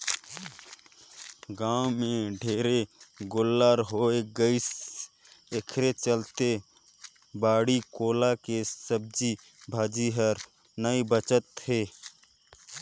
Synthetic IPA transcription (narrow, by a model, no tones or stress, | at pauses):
ɡãːwmẽɖʱeːɾeɡolːaːɾɦoːeɡəis | ekʰɾet͡ʃəlt̪e | baːɽikoːlakesəb̚d͡ʒi | bʱaːd͡ʒiɦəɾ | nəibət͡ʃət̪ɦeː